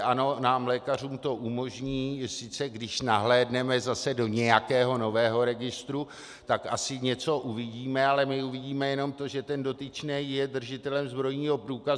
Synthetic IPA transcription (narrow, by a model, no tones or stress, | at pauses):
ʔano̞naːmlɛːkar̝uːmt̪o̞ʔumo̞ʒɲiːsɪt͡sɛɡdɪʃnaɦlɛːdnɛmɛzasɛdo̞ɲɛjakɛːɦo̞no̞vɛːɦo̞ɾɛɡɪst̪ɾu | t̪akasɪɲɛt͡so̞ʔuvɪɟiːmɛalɛmɪuvɪɟiːmɛjɛno̞mt̪o̞ʒɛt̪ɛndo̞t̪ɪt͡ʃnɛːjjɛdr̩ʒɪt̪ɛlɛmzbɾo̞jɲiːɦo̞pɾuːkaz